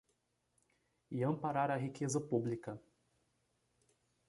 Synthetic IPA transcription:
iɐ̃mpaɾaɾɐɦikʰezɐpublikɐ

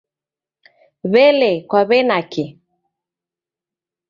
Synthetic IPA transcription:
βɛlɛkwaβɛnakɪ

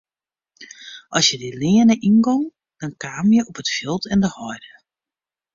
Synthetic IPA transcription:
ʔɔsjədilɪənəʔinɡɔŋ | d̥ɔnkaːmjəʔɔpətfɪlˠtʰɛndəhɔjdə

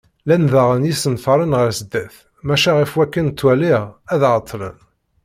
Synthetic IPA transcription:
lænðəʁənjisənfɑɾˤənʁəɾsəd̪ːæθ | mæʃæʁifwækːənt̪ːwæliʁæðʁət̪ʰˤːlə̰n

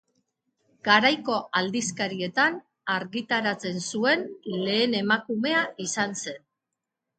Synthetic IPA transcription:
ɡ̥aɾajko̞ald̪iskaɾie̞t̪an | aɾɣit̪aɾat͡se̞nsue̞nle̞ːne̞makume̞aisanse̞n

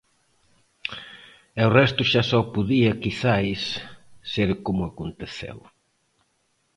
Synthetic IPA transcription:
ɛʊrɛst̪ʊʃasɔpuðiɐkiθajsː | eɾkomʊakont̪eθḛw

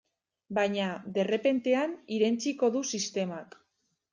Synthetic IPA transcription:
bajɲaðe̞re̞pe̞nt̪e̞aniɾe̞nt͡siko̞ðusist̪e̞mak

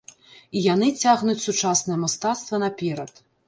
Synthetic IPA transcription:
ijanɨt͡sʲaɣnut͡sʲsut͡ʂasnɐjɛmast̪at̪st̪vɐnɐpʲɛɾɐt̪

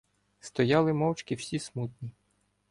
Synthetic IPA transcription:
st̪ɔjɑlˠɪmɔwt͡ʃkɪwsʲismut̪ʲnʲi

